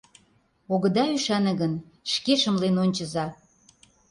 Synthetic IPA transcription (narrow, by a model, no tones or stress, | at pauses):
oɣə̆d̪ɑyʃænə̆ɣən | ʃkeʃə̆mlenonʲt͡ɕə̆zɑ